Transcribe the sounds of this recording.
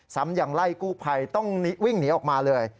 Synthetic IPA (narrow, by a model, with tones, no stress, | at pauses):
sa˨˦mjaː˨˩ŋla˥˩jkuː˥˩pʰa˧jt̪ɔ˥˩ŋni˦˥wi˥˩ŋniː˨˦˥ʔɔː˨˩k̚maː˧lɤː˧j